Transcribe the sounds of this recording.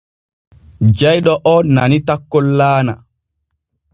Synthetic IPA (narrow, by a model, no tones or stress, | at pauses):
d͡ʒajɗɔʔɔnanitakːɔlːaːna̰